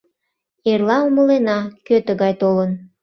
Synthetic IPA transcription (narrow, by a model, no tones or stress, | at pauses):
erlɑuməlenɑkøt̪əɣɑjt̪olən